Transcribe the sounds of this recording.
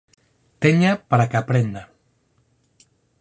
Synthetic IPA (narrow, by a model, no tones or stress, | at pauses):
t̪eɲapaɾakapɾend̪a